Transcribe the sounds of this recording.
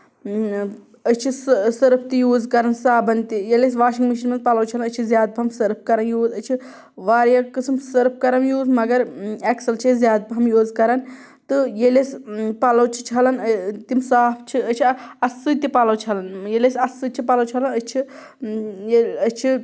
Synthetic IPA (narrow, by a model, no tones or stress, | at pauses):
ət͡ʃʰissɐɾpʰt̪ijuːzkɐɾɐnsaːbʱɐnt̪ijelesʋaːʃiŋɡmiʃ̬inmɐnzpɐlɐwt͡ʃʰɐlɐnət͡ʃʰizʲjaːd̪̚bʱɐmsɐɾp̚ʰkɐɾɐnjuːzət͡ʃʰi | ʋaːɾjakɨsmsɐɾp̚ʰkɐɾɐnjuːzmɐɡɐɾɛksɐlt͡ʃʰizjaːd̪̚bʱɐmjuːzkɐɾɐn | t̪ɨjelespɐlɐwt͡ʃʰi̥t͡ʃʰɐlɐnt̪imsaːpʰt͡ʃʰiət͡ʃʰiɐsːɨt̪ipɐlɐwt͡ʃʰɐlɐnjelesɐsɨt͡ʃʰipɐlɐwt͡ʃʰɐlɐnət͡ʃʰi | jeət͡ʃʰi